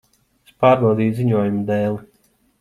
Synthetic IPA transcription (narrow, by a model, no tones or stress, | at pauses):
spaːɾbɑwd̪iːjziɲuɔjumd̪ɛːlˠi